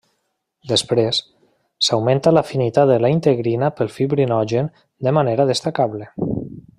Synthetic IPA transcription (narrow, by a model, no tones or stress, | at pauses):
d̪əspɾesː | awmẽnt̪alafinit̪aðəlaint̪eɣɾinapəlˠfiβɾinɔʒen | d̪əmaneɾaðəst̪akaβlə